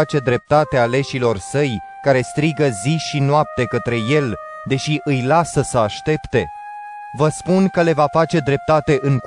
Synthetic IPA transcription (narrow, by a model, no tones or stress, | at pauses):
at͡ʃe̞d̪ɾe̞p̚t̪at̪eale̞ʃilo̞rsəj | kaɾe̞st̪ɾiɡəziʃinoap̚t̪e̞kət̪ɾe̞je̞l | d̪e̞ʃiʔɨjlasəsəaʃt̪e̞pt̪e̞ | vəspunkəle̞vafat͡ʃe̞d̪ɾe̞p̚t̪at̪e̞ʔɨŋk